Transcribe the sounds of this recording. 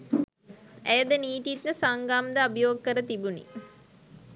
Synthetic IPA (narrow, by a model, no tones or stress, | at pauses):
æjəd̪əniːt̪it̪nəsaŋɡaːmd̪əabijoːɡkəɾət̪ibunḭ